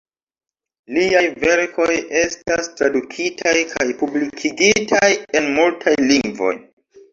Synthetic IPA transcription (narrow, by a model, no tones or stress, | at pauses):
liajve̞ɾkʰo̞jestastɾadukʰitʰajkʰajpublikʰiɡitʰaje̞nmultʰajliŋɡvo̞̰j